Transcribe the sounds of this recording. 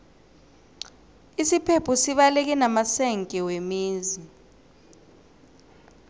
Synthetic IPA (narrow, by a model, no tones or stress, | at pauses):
isipʰepʰusiɓalek̬ɛnamasɛŋkʼɛwemiːzi